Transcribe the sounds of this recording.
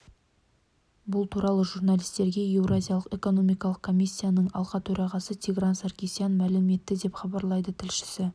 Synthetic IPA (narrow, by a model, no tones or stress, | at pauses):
bʊlˠt̪ʰuɾɑlˠəʒurnalʲijst̪e̞ɾɡʲe̞je̞wrazʲijalˠəqe̞ko̞no̞mijkɑlˠəq̚kʰo̞mʲisʲːijanəɴɑ̰lˠʁɑt̪ʰɵɾɑʁɑsət̪ʰʲiɡransarkʲisijanmælɪme̞t̪ːɪd̪e̞pχɑbɑɾlˠɑjd̪ət̪ʰɪlʃɪ̥sɪ